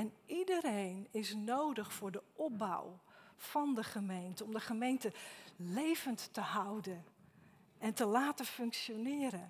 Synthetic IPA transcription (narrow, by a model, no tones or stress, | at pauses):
ɛnidəɾejnɪsnowdəχfʊːɹdəʔɔp̚ba̰wfɑndəχəmejntəɔmdəχəmejntəlejvəntːəɦʌwdən | ɛntəlaːtəfɵŋkʃjonɪːɾən